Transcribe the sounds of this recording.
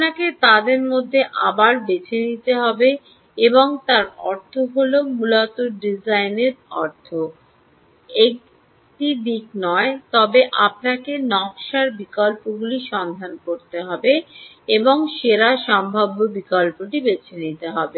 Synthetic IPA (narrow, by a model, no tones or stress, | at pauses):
apnaket̪ad̪eɾmod̪ʱːeʔa̰baɾbet͡ɕʰenit̪eɦɔbe | eboŋt̪aɾɔɾt̪ʰoɦolomulot̪oɖid͡ʑajneɾɔ̰ɾt̪ʰo | ek̚ | ʈid̪iknɔet̪ɔbeʔap̚nakenɔkʃaɾbikɔlpoɡuliʃɔnd̪ʱankoɾt̪eɦɔbe | eboŋʃeɾaʃɔmbʱabːobikɔlpoʈibet͡ɕʰenit̪eɦɔbe